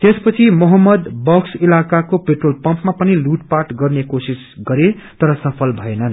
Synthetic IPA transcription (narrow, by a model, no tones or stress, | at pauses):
t̪espʌt͡sʰimʌɦʌmːʌd̪bʌksilakakopeʈrolpʌ̃mpmapʌniluʈ̚paʈɡʌrnekosis | ɡʌɾe | t̪ʌɾʌsʌpʰʌlbʱʌenʌn